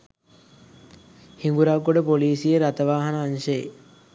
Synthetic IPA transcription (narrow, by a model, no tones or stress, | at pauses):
hiŋɡuɾaɡːoɖəpoliːsijəɾat̪əʋaːɦɐnəːnʃəjḛ